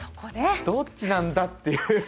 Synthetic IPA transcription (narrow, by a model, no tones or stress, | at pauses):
so̥kod̪ed̪̥ot͡ɕinãnd̪at̪ːe̞jɯ̟